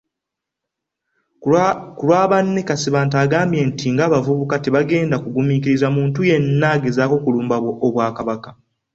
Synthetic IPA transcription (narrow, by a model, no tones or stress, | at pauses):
kulwaːβanːe̞kasiβaːntaːɡaːmbjentʰiŋɡaːβavuβukate̞βaɡe̞ːndakuɡumikiɾizamuːntuje̞nːaːɡe̞zaːko̞kuluːmbaβwoʔːβwaːkaβakḁ